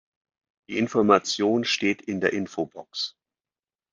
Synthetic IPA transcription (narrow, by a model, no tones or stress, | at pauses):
d̥iːɪnfɔɐmat͡sjoːnʃteːtʰɪndeːɐʔɪnfobɔks